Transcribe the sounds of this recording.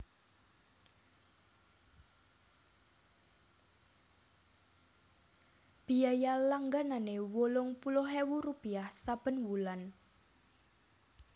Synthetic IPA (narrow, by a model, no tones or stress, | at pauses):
b̥i̤ajalaŋɡananewolʊŋpulʊɦewurupiahsab̥ə̤nwulan